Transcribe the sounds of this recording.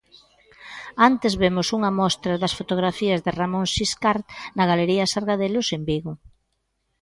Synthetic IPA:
ant̪ezβemʊsuŋɐmɔst̪ɾɐðɐsfot̪oɣ̞ɾafiɐzðɪramõŋʃiskaɾt̪nɐɣaleɾiɐsaɾɣaðelʊsembiɣʊ

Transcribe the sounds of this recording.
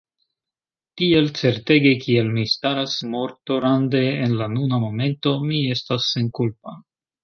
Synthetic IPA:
tie̞lt͡se̞ɾte̞ɡe̞kie̞lmistaɾasmo̞ɾtoɾande̞ːnlanunamo̞me̞nto̞mie̞stasːe̞nkulp̚a

